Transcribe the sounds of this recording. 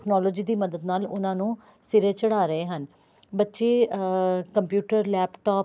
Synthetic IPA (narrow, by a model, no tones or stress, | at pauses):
knɔːloːd͡ʒiːd̪iːməd̪əd̪naːlʊ̰nãːnũː | sɪɾeːt͡ʃəɽaːɾəeːɦən | bətːʃeː | kəmpjuːʈəɾlɛːpʈɔː